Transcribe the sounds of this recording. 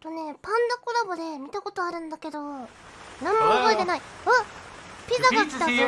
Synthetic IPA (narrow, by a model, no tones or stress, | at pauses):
t̪one̞pãnd̪okoɾabod̪e̞mʲit̪ako̞t̪o̞aɾɯ̟̃nd̪ake̞d̪o̞ | nãmːoaboet̪e̞naiapʲizaɡakʲi̥t̪ao